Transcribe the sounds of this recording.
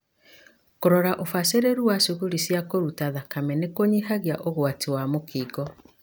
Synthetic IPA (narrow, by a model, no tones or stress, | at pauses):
koɾɔɾaʔofaseɾeɾuwaʃuɣuɾisjakoɾutaðakamɛnekoɲihaɣiaʔoɣwatiwamokiːɡɔ